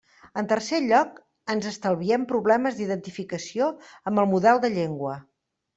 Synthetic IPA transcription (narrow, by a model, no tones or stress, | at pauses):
ənt̪ərseʎɔk | ənzəst̪əlˠβiɛmpɾuβlɛməzd̪iðənt̪ifikəsioəmbəlˠmuðɛlˠd̪əʎeŋɡwə